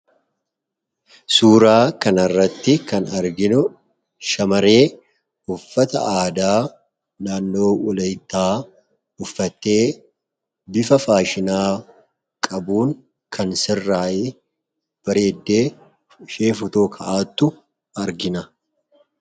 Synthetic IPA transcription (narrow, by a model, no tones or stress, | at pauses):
suːɾaːkɐnɐrːɐt̪ːɪkɐnɐɾɡɪnʊ | ʃɐmɐɾe̞ː | ʊfːɐt̪ɐ̰ʔaːd̪aː | naːnːo̞ːwɔlɐjt̪ːaː | ʊfːɐt̪ːe̞ː | bɪfɐfaːʃɪnaː | kʼɐbuːŋ | kʰɐnsɪrːaːʔeː | b̥ɐɾe̞ːd̪ːe̞ː | ʃeːfʊt̪oːkʰɐʔaːt̪ːʊ | ɐɾɡɪnɐ